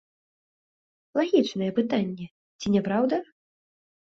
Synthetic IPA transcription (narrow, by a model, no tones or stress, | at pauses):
lˠaɣʲit͡ʂnɐjɛpɨt̪anʲːɛ | t͡sʲinʲɛpɾawd̪ɐ